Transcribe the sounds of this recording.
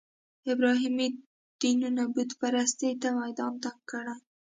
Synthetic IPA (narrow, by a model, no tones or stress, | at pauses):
ɪbɾɑɦimi | d̪̥inunabud̪paɾast̪et̪amajd̪ɑnt̪akːəɽa